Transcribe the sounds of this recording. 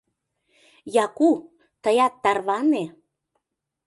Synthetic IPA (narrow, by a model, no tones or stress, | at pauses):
jɑku | t̪əjɑt̪ːɑrβɑne